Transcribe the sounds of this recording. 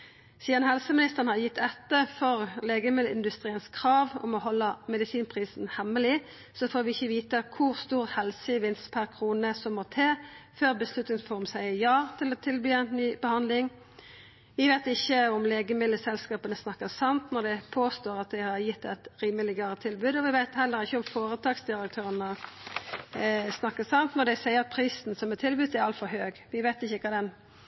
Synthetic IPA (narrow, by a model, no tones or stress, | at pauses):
siːənhɛlsəmɪnɪst̪əʁnhɑʁjɪt̪ːɛt̪ːəfɔʁleːɡəmɪd̪lɪ̰nd̪ʉst̪ʁiːənskʰʁɑːʋɔ̰mɔhɔlːəmɛd̪ɪsiːnpʰʁiːsn̩hɛmːəlɪ | sɔfoːʋɪɪçːəʋiːt̪əkʰʊʁst̪uːʁhɛlsəʋɪnst̪pʰæʁkʰʁuːnəsɔmːɔt̪ʰeːføːʁbəslʉt̪ɪŋfɔʁmsæɪjɑːt̪ʰɪlɔːt̪ʰɪlbyːɛɪnnyːbəhɑnd̪lɪŋ | ʋɪʋeɪt̪ɪçːəʊmleːɡəmɪlːəsɛlskɑːpənəsnɑkːəsɑmt̪nɔd̪ɛpʰoːst̪oːʁɑt̪̚d̪æɪhɑʁjɪt̪ːɛt̪ɾiːməlɪɡɑːʁət̪ʰɪlbʉːd̪ɔʋɪʋæɪt̪hɛlːəɾɪçːəɔmfoːʁət̪ʰɑːksd̪ɪʁək̚t̪ʰøːʁənə | snɑkːəsɑnt̪nɔʁd̪ɛɪsæɪəʁɑt̪̚pʰɾiːsn̩sɔmɛt̪ʰːɪlbʉːt̪æɾɑlt̪fɔɾhøːɡʋɪʋæɪt̪ɪçːəkʰɑːd̪ɛn